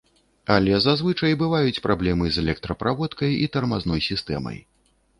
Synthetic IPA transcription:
alʲɛzazvɨt͡ʂɐjbɨvajut͡sʲpɾʔablʲɛmɨzɛlʲɛk̚t̪ɾɐpɾavɔt̪kɐjit̪ɐrmaznɔjsʲist̪ɛ̰mɐ̰j

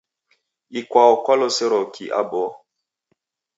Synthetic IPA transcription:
ikwaɔkwalɔsɛɾɔkiʔa̰bɔ

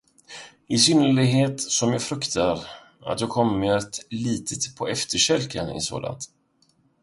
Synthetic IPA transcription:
ɪsʏnːəɭɪɡɦeːt̪sɔmjɑːfɾɵkt̪ʰaɾ | a̰t̪jɑːkʰɔmːət̪liːt̪ʰət̪pʰɔɛft̪ʰəɕɛlkʰənɪ̰so̰ːla̰nt̪

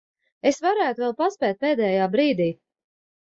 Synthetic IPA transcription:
esvaɾæːt̪uvɛlˠpaspʲɛːt̪̚peːd̪ɛːjaːbɾiːd̪iː

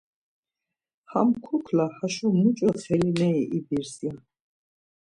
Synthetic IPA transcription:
hamkʰukʰlahaʃɔmut͡ʃʼɔχʰɛlinɛiʔibiɾsja

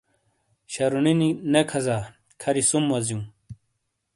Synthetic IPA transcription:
ɕɐɾunininekʰɐzaː | kʰɐɾisumːɐzjũː

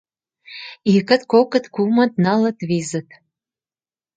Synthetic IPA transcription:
ikə̆t̪kokə̆t̪kumə̆t̪nɑlə̆t̪βizə̆t̪

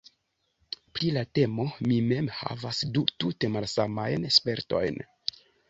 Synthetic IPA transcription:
pɾilate̞mo̞mime̞mha̰vasdutute̞malsamajnespe̞ɾto̞̰jn

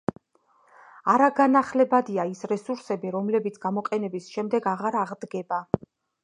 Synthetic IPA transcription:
aɾaɡanaχlɛbad̪iaisɾɛsuɾsɛbiɾɔmlɛbit̪sʰɡ̥amɔqʼɛnɛbisʃɛmd̪ɛɡaʁaɾaʁd̪ɡɛba

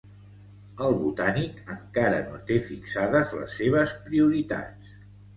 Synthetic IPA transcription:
əlˠβut̪anikəŋkaɾə̰not̪efiksaðəzlə̰sːeβ̞əspɾiuɾit̪a̰t͡s

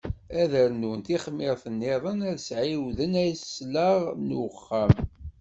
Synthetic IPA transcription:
æðəɾnunt̪iχmːɪðˤθənːiðˤənæðsʕiwðənæjssləʁnwəχːəm

